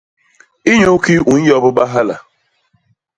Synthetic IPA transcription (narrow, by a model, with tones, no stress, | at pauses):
i˦ɲo˦ki˦ʔu˨n̩˦jɔ˦bʊ˦ba˦ɦa˦la̰˨